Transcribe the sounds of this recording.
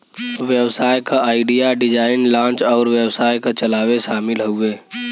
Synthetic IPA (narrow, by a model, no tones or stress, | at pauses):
ʋjewsaːjkaaːɪɖijaɖɪd͡ʒaːɪnlãːnt͡ʃɔːɾʋewsaːjkat͡ʃəlaːweʃaːmɪlɦoeː